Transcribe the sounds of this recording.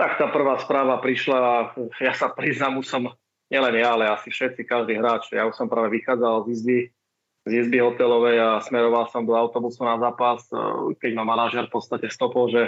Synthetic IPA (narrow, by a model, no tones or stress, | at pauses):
t̪ak̚t̪aːpr̩ʋaːspɾaːʋapɾiʃlaːjasapɾiznamusɔm | ɲɪɛlɛnjaːlɛasifʃɛt̪t͡sikaʒd̪iːɦɾaːt͡ʃjausɔmpɾaːʋɛʋixaːd͡zalzizbi | zizbiɦɔt̪ɛlɔʋɛjasmɛɾɔʋalsɔmd̪ɔaʊt̪ɔbusunazaːpaskɛɟmamanaʒɪɛɾfpɔt̪st̪acɛst̪ɔpɔlʒɛ